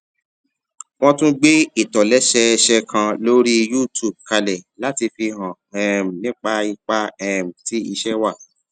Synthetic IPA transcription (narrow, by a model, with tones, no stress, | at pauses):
w̃ɔ̃˧tũ˦ɡ͡be˦i˦˨tɔ˨lɛ˨˦ʃɛ˧ʃɛ˧kʰã˧lo˦ɾi˦ju˦tu˨b̚ka˧lɛ˨la˨˦ti˧fi˧ɦɔ̃˨ | ɛ˨m̩˨nĩ˨˦k͡pa˧i˧k͡pa˧ɛ˨m̩˨ti˨˦i˧ʃɛ˦wa˦˨